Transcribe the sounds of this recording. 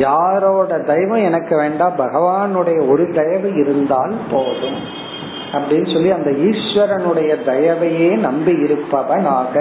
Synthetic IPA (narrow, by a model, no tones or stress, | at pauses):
jaːɾoːɽɐd̪ɐjɐʋɐ̃ɛnɐkːɯʋeːɳɖaːbɐɣɐʋaːnɯɽɐjɐɔɾɯd̪ɐjɐʋɯɪɾɯnd̪aːlpoːðɯ̃m | ɐpːɐɽɪnːɯsɔlːiɐnd̪ɐiːʂʋɐɾɐnɯɽɐjɐd̪ɐjɐʋɐjeːnɐmbiɪɾɯpːɐʋɐnaːɣɐ